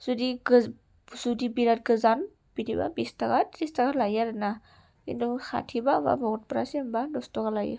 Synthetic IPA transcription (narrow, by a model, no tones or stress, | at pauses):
zudiɡ | zudibiɾat̚ɡəzan | b̥idiba̰bistakatɾistakalajaɾana | kḭntusa̰tʰibaba̰bɔɡɔt̚bɾasiambadɔstɔkalajḭ